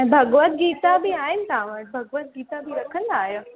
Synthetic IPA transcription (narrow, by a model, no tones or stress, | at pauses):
ɛ̃bʱɐɡʋət̪̚ɡiːt̪abiaːɦɪnɪ̆t̪aɦãʋəʈbʱɐɡʋət̪̚ɡiːt̪abʱiɾɐkʰə̃nd̪aːɦijo